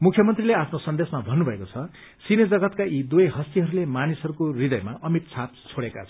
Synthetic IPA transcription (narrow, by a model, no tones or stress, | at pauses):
mukʰjʌmʌnt̪rileapʰnosʌnd̪esmabʱʌnːubʱʌekot͡sʰʌ | sined͡zʌɡʌt̪kaʔid̪ujɦʌst̪iɦʌɾulemanisʌɾukorid̪ʌjmaʌmit̪̚t͡sʰap̪̚t͡sʰoɽeka̰t͡sʰ